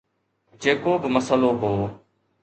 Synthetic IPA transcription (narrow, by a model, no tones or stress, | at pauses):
d͡ʒeːkoːbɪməsəloːɦoː